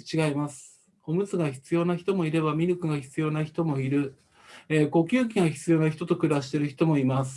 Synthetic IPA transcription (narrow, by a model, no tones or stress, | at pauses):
t͡ɕiɡaimasɨ̥ | o̞mɯ̟t͡sɨɡaçi̥t͡sɨjo̞ːnaçi̥t̪o̞mo̞iɾe̞bamʲiɾɯkɯ̟ɡaçi̥t͡sɨjo̞ːnaçi̥t̪o̞mo̞iɾɯ̟ | eːko̞kʲɨːk̬ʲiɡaçi̥t͡sɨjo̞ːnaçit̪o̞t̪okɯ̟ɾaɕi̥t̪e̞ɾɯ̟çi̥t̪o̞mo̞imasɨ̥